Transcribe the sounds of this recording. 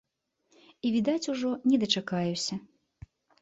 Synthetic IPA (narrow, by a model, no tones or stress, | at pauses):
ivʲid̪at͡sʲuʐɔnʲɛd̪ɐt͡ʂakajusʲɐ